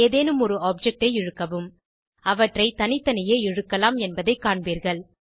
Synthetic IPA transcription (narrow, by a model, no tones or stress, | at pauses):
eːðeːnɯmɔɾɯaːp̚d͡ʒɛk̚ʈɐɪɪɻɯkːɐʋɯm | ɐʋɐʈrɐɪt̪ɐnɪt̪ːɐnɐjeːɪɻɯkːɐlaːmɛnbɐðɐɪkːaːɳbiːɾɣɐɭ